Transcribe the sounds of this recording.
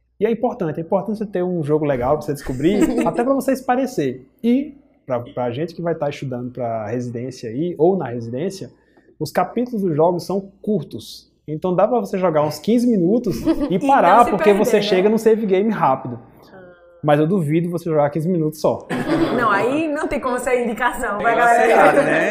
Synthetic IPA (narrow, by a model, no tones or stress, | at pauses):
ɪɛĩpoɾt̪ɐ̃t͡ʃɛĩmpoɾt̪ɐ̃t͡ʃɪɪt̪eɾũʒoɡʊlɛɡawpvosed̪ɪskubɾiat̪ɛpɾɐvoseispaɾeseɾ | ɪ | pɾɐpɾɐʒẽt͡ʃɪ̥kɪvajt̪aɾɪst̪ud̪ɐ̃nd̪ʊpɾɐhezid̪ẽsjɐaiownɐhezid̪ẽsjɐ | ʊskapit̪ʊlˠʊzd̪ʊʒɔɡʊsːɐ̃w̃kuɾt̪ʊs | ẽt̪ɐ̃w̃d̪apɾɐvoseʒɔɡaɾũskĩzɪmĩnut̪ʊsɪpaɾaɾppoɾkevoseʃeɡɐnũseɾviɡẽj̃mɪɦapid̪ʊ | mɐzewd̪uvid̪ʊvoseʒɔɡaɾkĩzɪmĩnut̪ʊsːɔnɐ̃w̃ainɐ̃w̃t̪ẽj̃kõmʊaseɾĩnd͡ʒ̪ikasɐ̃w̃vajɡalɛɾeɡad̪ʊnɛ